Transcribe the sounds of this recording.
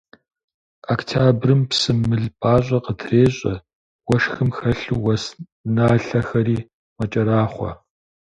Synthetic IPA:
aktʰaːbrɨmpsɨmːɨɮpʰʼaːɕʼɐqətʰreːɕʼɐ | wɐʃxɨmxɐɬuwɐs | naːɬɐxɐɾiː | mɐt͡ʃʼɐɾaːχʷɔ̰

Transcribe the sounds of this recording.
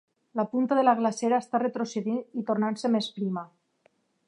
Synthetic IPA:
lapunt̪aðelaɣlaseɾaest̪aret̪ɾoseðinit̪oɾnansemespɾima

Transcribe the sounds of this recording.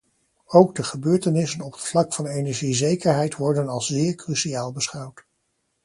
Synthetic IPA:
owɡdəχəbøːɹtənɪsənɔpətflɑkfɑnejnɛɹʒizejkəɹɦɛjtʋɔɹdənɑlˠszɪːɹkrysiaːlˠbəsχɑwt

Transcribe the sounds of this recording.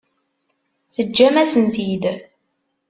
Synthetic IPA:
θəd͡ʒːæmæsənt̪id̪

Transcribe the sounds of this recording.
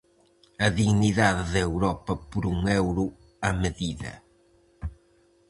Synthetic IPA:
ɐðiɣniðaððɐewɾɔpɐpʊɾuŋewɾʊ | ɐmɨðiðɐ̰

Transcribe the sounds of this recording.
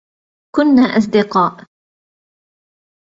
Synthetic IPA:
kʊnːaːʔɑs̬ˤd̪ɪqɑːʔ

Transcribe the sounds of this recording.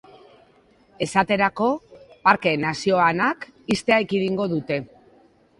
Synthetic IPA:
e̞sat̪e̞ɾako̞paɾkenasio̞anakist̪e̞ajkiðiŋɡo̞ðut̪e̞

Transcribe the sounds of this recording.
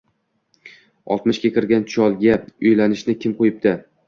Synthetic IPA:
ɒ̰lˠt̪mɪʃkʲakʲʰɪɾɡʲant͡ʃʰɒlˠɡʲaʊjlanɪʃnɪkʲʰɪmqʰojɪp̚d̪ɪ

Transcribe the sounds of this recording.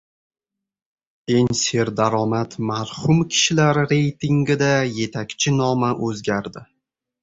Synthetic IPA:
e̞ŋse̞ɾd̪aɾɒmat̪maɾhʊmkʲʰɪ̥ʃɪlaɾːe̞jt̪ʰɪŋɡʲɪd̪aje̞t̪ʰakʲt͡ʃʰɪnɒmaʔɵzɡʲaɾd̪ɪ

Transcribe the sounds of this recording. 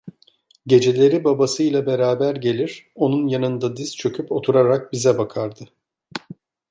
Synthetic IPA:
ɟe̞d͡ʒe̞lʲe̞ɾibabasɯjlˠabe̞ɾaːbæɾɟe̞lʲiɾ̥o̞nunjanɯnd̪ad̪izt͡ʃʰø̞kʰʲypo̞t̪ʰuɾaɾak̚bizɛbakʰaɾd̪ɯ

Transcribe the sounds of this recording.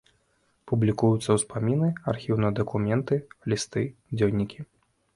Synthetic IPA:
publʲikujut̪sːɐwspamʲinɨarxʲiwnɐjɐd̪ɐkumʲɛnt̪ɨlʲist̪ɨd͡zʲewnʲikʲʰi

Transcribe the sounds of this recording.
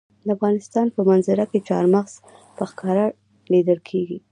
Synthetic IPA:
d̪əafɣɑnɪst̪ɑnpəmanzɪɾaket͡ʃɑ̰ɾmaɣz̥ | pəxkɑɾa | lid̪əlkʰeɡi

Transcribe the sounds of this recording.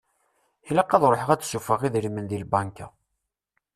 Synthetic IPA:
hilæqːɑðˤɾˤoħəʁæt͡sːsufəʁiðɾimənðilbɑnkæ̰

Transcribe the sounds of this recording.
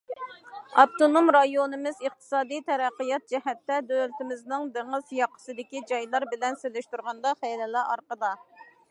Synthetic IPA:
ɑp̚t̪onomɾɑjonɨmɪzəχt̪ʰɨ̥sɑːd̪ijt̪ʰɛɾæqːəjɑt̪̚d͡ʒɛhɛt̪ːɛd̪øɾt̪ɪmɪznɪŋd̪eŋɨzjɑqʰːə̥sɨd̪ɪkʲid͡ʒɑjlˠɑɾbɪlɛnselɪʃt̪uɾʁɑnd̪ɑχɛlɛlɑʔɑ̰ɾqəd̪ɑ

